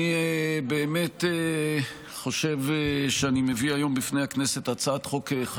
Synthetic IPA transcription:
ibeːme̞te | χo̞ʃevʃeanimeviajo̞mbifne̞jhaknese̞tat͡saat̪χoke

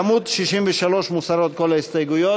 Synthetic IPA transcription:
mud̪ʃiʃimbiʃalɔʃmusaɾɔt̪kɔlɛst̪ajɡujɔ

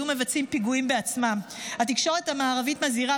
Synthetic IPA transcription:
ume̞vat͡simpiɡuimbe̞at͡smamhat̪̬ikʃo̞ʁet̪hamaːʁavitmaziʁa

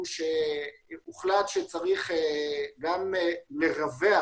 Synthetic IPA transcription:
ʃe | uχlat̪ʃet͡saʁiχeɡamleʁavea

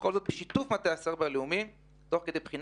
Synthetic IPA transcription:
kolzot̪beʃit̪ufmat̪easeʁbeleumim | t̪o̞χked̪ejbχin

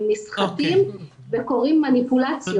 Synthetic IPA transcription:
mːisχakim | veko̞ʁimːanipulat͡sjo

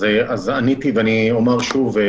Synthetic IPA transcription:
eazanit̪iveaniomaʁʃuve

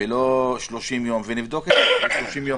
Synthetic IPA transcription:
eloʃloʃimjo̞mvenivd̪o̞ket̪aloʃloʃimjo

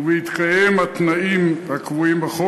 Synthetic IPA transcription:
wit̪qʼaemat̪naʔimakwimbaχo

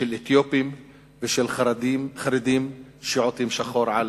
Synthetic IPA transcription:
elet̪jopim | veʃelmχaɾed̪imʃiʕot̪imʃaχoɾʕal

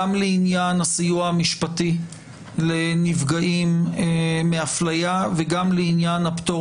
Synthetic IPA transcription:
amleinjanasijuaamiʃpati | lenivɡaʔimeːeaflajaveɡamleinjanapt̪o

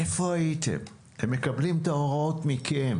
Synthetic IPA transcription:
efo̞ait̪ḛm | temːe̞kɐblimt̪aoʁotmikʰem

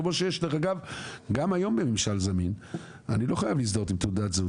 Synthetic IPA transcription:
moʃejeʃleχaɡavɡamajo̞mbemimʃalzamin | anilo̞χajavlisd̪ot̪imt̪ud̪atz

